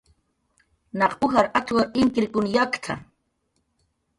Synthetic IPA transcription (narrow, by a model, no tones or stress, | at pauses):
nɑqʊxaɾʔat͡swaʔɪŋkɾɪkʊnjakt̪ʰa̰